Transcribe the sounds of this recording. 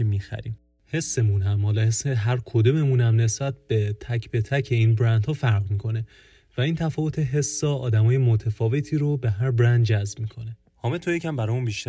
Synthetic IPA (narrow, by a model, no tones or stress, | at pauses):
mixæ̰ɾḭm | he̞sːe̞munɦæmhɒːlɒhesːeɦæɾkʰod̪ome̞munæmne̞sb̥æt̪̚ʰb̥e̞t̪ʰæcʰbe̞t̪ʰæcʰe̞iːnbɾænd̪hɒːfæɾʁmikʰo̞ne̞ | væiːnt̪ʰæfɒːvot̪ʰeɦe̞sːɒːɒːd̪æmɒːje̞mot̪ʰæfɒːve̞t̪ʰiːɾobe̞ɦæɾbɾænd̪̚d͡ʒæzbmikʰo̞ne | hɒːmet̪ʰojecʰæmbæɾɒːjmunbiʃt̪æ